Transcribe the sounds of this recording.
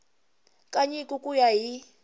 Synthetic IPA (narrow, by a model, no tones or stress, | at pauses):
kʼaɲikʼukʼujaɦi